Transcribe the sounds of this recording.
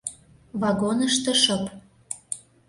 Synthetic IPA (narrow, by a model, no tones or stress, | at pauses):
vɑɣonəʃt̪əʃɤ̆p